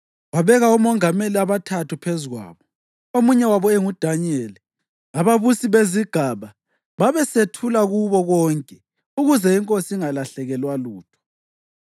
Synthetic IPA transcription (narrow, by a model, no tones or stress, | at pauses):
waβɛɣaumɔŋameliaβatʰatʰupʰezuɣwa̰ːβɔ | omuɲɛwaβɔɛŋud̥ʱaɲieli | aβaβusiβeziɡ̥ʱaβa | βaβɛsetʰulaɣuβɔɣɔːŋkʼɛ | uɣuzɛiŋkʼosiiŋalaɬɛɣɛlwaluːtʰɔ̥